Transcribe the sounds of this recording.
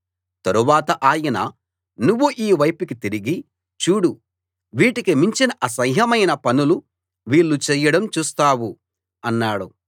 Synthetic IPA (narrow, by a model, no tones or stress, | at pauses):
t̪ɐɾuʋaːt̪ɐʔaːjɐnɐ | nuʋːuʔiːʋɐjpikit̪iɾiɡi | t͡ʃuːɽu | ʋiːʈikimiɲt͡ʃinɐʔɐs̬ɐjɦɐmɐjnɐpɐnulu | ʋiːɭːut͡ʃɛːjɐɽɐmt͡ʃuːst̪aːwu | ɐnːaːɽu